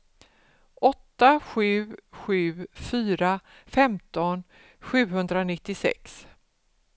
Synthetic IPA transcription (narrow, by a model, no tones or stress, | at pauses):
ʔɔt̪ːaɧʉ̟ːɧʉ̟ːfyːɾafɛmt̪ɔn | ɧʉ̟ːɦɵnd̪ɾanɪt̪ːɪsɛ̰ks